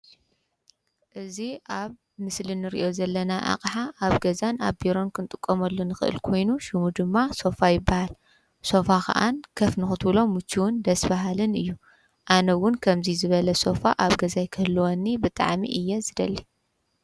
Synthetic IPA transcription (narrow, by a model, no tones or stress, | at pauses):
ʔɨziaβ | mɨslinɨɾḭʔozɐlːɐnaʔa̰kʼħaʔaβɡɐzanaβbiɾo̞nkʰɨnt̪ʼɨkʼːɐmɐlːunɨxɨʔɨ̰lkʰo̞jnuʃumud̪ɨmːaso̞fajɪbːahal | so̞fakʰɐ̰ʔankʰɐfnɨxɨt̪blo̞mɨt͡ʃʰːiwʊnd̪ɐsbaɦalɨnɨjːu | ʔanɐwʊnkʰɐmzizɨβɐlɐso̞faʔaβɡɐzajkʰɨhɨlːuwonːibɨt̪ʼa̰ʕmḭʔɨjːɛzɨd̪ɐlːi